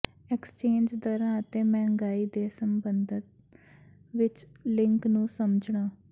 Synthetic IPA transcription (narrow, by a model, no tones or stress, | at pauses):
ɛkst͡ʃeːnd͡ʒd̪əɾãːət̪eːmɛ̃ːŋɡaːiːd̪eːsəmbənd̪ɪt̪ | ʋɪt͡ʃlɪŋknũːsəməd͡ʒɳaː